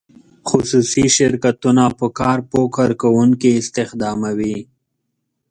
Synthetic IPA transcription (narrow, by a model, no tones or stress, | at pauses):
xʊsusiʃɪɾkat̪unapəkɑːɾpokʰaɾkawuŋkiɪst̪ɪxd̪ɑːmawi